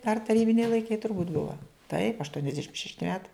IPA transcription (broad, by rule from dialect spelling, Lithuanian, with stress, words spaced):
dɐr tɐˈrʲiːbʲɪnʲɛɪ lˠɐɪˈkɐɪ tʊrˈbuːtʲ ˈbʊʋɐ tɐɪp ɐʃtuɔnʲɛzʲˈdʲæːʃʲɪm ʃʲɛʃʲˈtʲɪ ˈmʲæːtɐɪ